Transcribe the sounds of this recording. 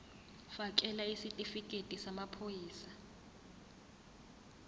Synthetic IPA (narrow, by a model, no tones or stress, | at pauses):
fak̬ʼɛlaisitʼifikʼetʼisamapʰojiːsa